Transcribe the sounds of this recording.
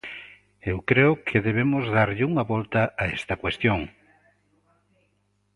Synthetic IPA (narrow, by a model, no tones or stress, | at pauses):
ewkɾeʊkʰeðeβ̞emʊzðaɾʎɪuŋɐβɔlt̪ɐaest̪ɐkwest̪joŋ